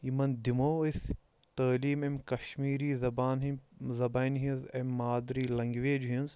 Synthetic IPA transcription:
jimɐnd̪imoːis | t̪əːliːmemkɐʃmiːɾiːzɐbaːnɦizɐbaːnɦizemʲːaːd̪ɾiːlɐŋɡʋeːd͡ʒɦinz

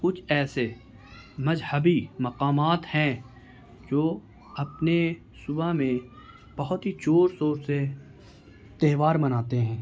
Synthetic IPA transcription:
kʊt͡ʃʰɛːse | mɐzhəbimɐqaːmaːt̪hɛ̃ | d͡ʒoː | ɐpne | sʊbamẽ | b̥ɐɦʊt̪ɦit͡ʃoːɾsoːɾse | t̪eːʋaːɾmɐnaːt̪eɦɛ̃ː

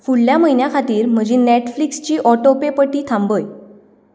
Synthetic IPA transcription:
fulːjaməɦinjakʰat̪iːɾm̤əd͡ʑeneʈflikst͡ɕiːʔɔʈopepəʈiːt̪ʰãmbəj

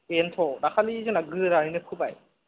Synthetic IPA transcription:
entʰɔdakʰalizɯnlaɡɯɾaɾinɯkʰubaj

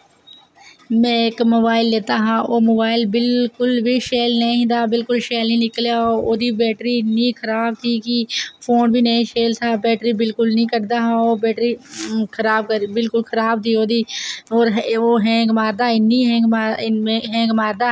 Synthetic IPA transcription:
mɛ̃ːɪkmoːbaːɪlːeːt̪aːɦãːʔoːmoːbaːɪlbɪlkʊlbiːʃeːlnəĩːd̪aːbɪlkʊlʃeːlnĩːnɪkljaːoːoːd̪iːbɛːʈɾiːnĩːkʰəɾaːb̚t̪ʰiːkɪpʰoːnbʱiːnəĩːʃeːlt̪ʰaːbɛːʈɾiːbɪlkʊlnĩːkəɾd̪aːɦãːoːbɛːʈɾiːkʰəɾaːb̚kəɾbɪlkʊlkʰəɾaːb̚t̪iːoːd̪iːoːɾɦoːɦɛ̃ːɡmaːɾd̪aːɪnːiːɦɛ̃ː | ɦɛ̃ːɡmaːɾd̪aː

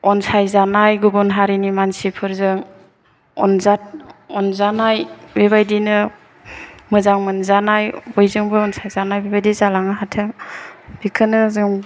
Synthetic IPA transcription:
ɔnsajzanajɡubɔnɦaɾinimansipʰɯɾzɯŋ | ɔ̰nzat̚ɔnzanajbeβajdinɯ | mɯzaŋmɯnzanajbɔjzɯŋbɯɔnsajzanajbebajdizalaŋɯɦatʰɯŋb̥ikʰɯnɯzɯŋ

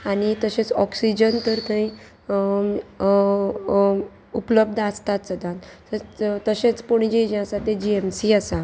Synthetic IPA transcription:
aɽ̃it̪əɕẽt͡sɔksid͡ʑənt̪əɾt̪əĩ | upləb̚d̪ʱast̪at̪t͡səd̪ãt̪ | ət̪əɕẽt͡spoɽ̃id͡ʑed͡ʑẽasat̪ed͡ʑiemsiasa

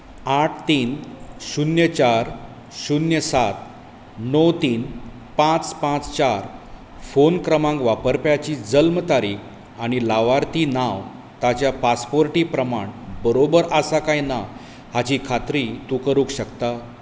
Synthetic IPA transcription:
aʈʰt̪iːnɕunjət͡ɕaɾ | ɕunjəsat̪̚ | nɔwt̪iːn | pãt͡spãt͡st͡ɕaɾ | fonkɾəmãŋɡʋapəɾpjat͡ɕiːd͡zəlmt̪aɾiːkʰ | aɽ̃ilaʋaɾt̪iːnaʋ | t̪at͡ɕjapaspoɾʈiːpɾəmaɳbəɾobəɾəsakajna | hat͡ɕiːkʰat̪ɾiːt̪ukəɾukɕəkt̪a

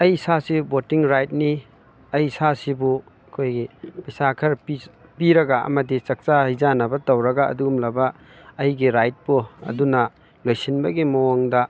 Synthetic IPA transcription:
ɐjsasibotiŋɾajt̚ni | ɐjsasibu | ɐkʰojɡipisakʰɐɾpipiɾɐɡaɐ̰mɐdit͡ʃɐk̚t͡ʃahizanɐbɐtɐwɾɐɡaɐ̰duumlɐbɐː | jɡiɾajt̚puɐ̰dunɐ | lojsinbɐɡimɐwoŋdɐ

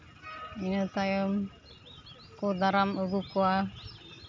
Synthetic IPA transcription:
inɔt̪ajɔm | kɔd̪aɾaməɡukɔwa

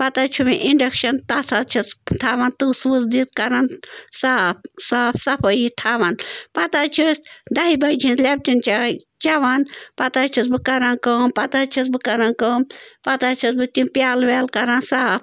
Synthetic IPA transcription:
pɐt̪at͡ʃʰumĩʔiɳɖɐkʃɐnt̪at̪ʰat͡ʃʰist̪ʰaːʋant̪usʋɨzd̪it̪̚kɐɾansaːp̚saːpsɐpʰɐjit̪ʰaːʋanpɐt̪at͡ʃʰusɖaɦibɐjd͡ʒʰʱĩnlʲeb̚t̪ʲint͡ʃa | t͡ʃaʋanpɐt̪aːt͡ʃʰisbɨkɐɾankəmpɐt̪at͡ʃʰisbɨkɐɾankəːmpɐt̪at͡ʃʰisbɨt̪ʲĩpʲjaːlʋelkɐɾansaːp

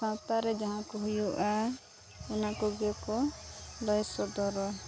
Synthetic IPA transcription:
ãt̪aɾɛd͡ʒaɦãkɔɦujuʔa | ɔnakɔɡɛkɔlɔjsɔd̪ɔɾɔ

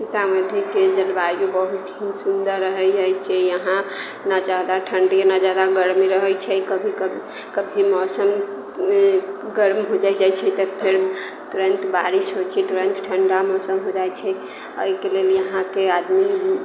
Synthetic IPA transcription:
sit̪ameʈʰiked͡ʒəlbajkebəɦut̪ɦĩsund̪əɾːəɦəjd͡ʒajt͡ʃʰɛjəɦã | nad͡ʒad̪aʈʰəɳɖijanad͡ʒad̪aɡəɾmiɾəɦət͡ʃʰɛkəbʱikə | kəbʱimɔsəm | ɡəɾmɦod͡ʒad͡ʒajt͡ʃʰɛt̪əpʰeɾ | t̪uɾənt̪baɾisɦot͡ʃʰɛt̪uɾənt̪ʈʰəɳɖamɔsəmɦod͡ʒajt͡ʃʰɛ | ə̰jkeleljəɦãkead̪mi

